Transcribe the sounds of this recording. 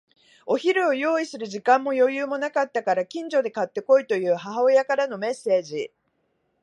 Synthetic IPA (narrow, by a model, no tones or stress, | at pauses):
o̞çiɾɯ̟o̞jo̞ːisɨɾɯ̟ʑikãmːo̞jo̞jɯːmo̞nakat̪ːakaɾakʲĩɲ̟d͡ʑo̞d̪e̞kat̪ːe̞ko̞it̪o̞jɯ̟ːɦaɦao̞jakaɾano̞me̞sːe̞ːʑi